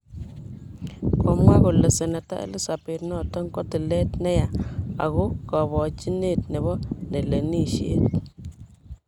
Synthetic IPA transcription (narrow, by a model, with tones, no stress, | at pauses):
kʰɔ˨mwa˦ko˨le˨sɛ˨na˨ta̰˦ʔḛ˦lɪ˦sa˨pe˨tnɔ˦˨tɔ˦ŋkɔ˦ti˨lɛ˦tnɛ˦ja˨a̰˨ɣʊ˦kɔ˨βɔ˨t͡ʃi˦ne˦˨tnɪ˨bɔ˦ne˨le˨ni˦ʃḛ˦t